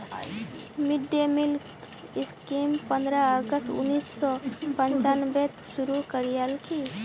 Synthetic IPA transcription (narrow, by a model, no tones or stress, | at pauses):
miɖemilk | ɪskimpənd̪ɾəəɡəstṵnːiːsːɔpənt͡ʃanbet̪suɾukəɾijalkʰi